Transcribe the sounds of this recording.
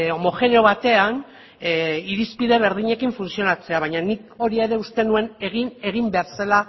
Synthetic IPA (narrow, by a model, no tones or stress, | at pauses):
o̞mo̞xe̞neo̞βat̪e̞an | iɾispiðe̞β̞e̞ɾð̞iɲe̞kiɱfunsio̞nat͡se̞aβ̞ajɲaniko̞ɾie̞ɾe̞ust̪e̞nue̞neɣine̞ɣ̞imbe̞aɾsala